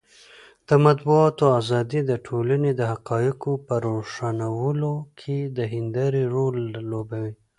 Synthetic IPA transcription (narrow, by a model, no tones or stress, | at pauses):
d̪̥əmat̪buɑt̪oazɑd̪id̪əʈʰolaned̪əɦaqɑjɪqopəɾoʂanawəlokʰed̪əɦɪnd̪aɾiɾolːobawi